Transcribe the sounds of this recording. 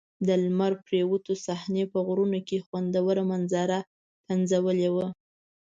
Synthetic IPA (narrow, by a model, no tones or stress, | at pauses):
d̪əlmaɾpɾewut̪osahnepəɣɾunokexwand̪awəɾamanzɑɾa | panzawəlewə